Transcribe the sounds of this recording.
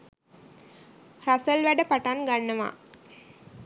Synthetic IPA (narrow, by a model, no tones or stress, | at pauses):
rasəlʋæɖəpaʈaŋɡanːəʋa̰